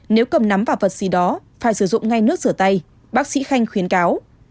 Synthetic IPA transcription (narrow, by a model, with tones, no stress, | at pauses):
ne˨˦wkə˨˩mna˨˦mvaː˨˩wvə˨˩t̚z̥i˨˦ɗɔ˨˦faː˧˩jsɨ˧˩zʊ̰˧˨ŋ͡mŋa˧jnɨ˦˥ək̚zɨ˧˩ət̪a˧j | ɓaː˦˥k̚sḭ˧˥xa˧jŋ̟xwi˨˦ənkaː˨˦w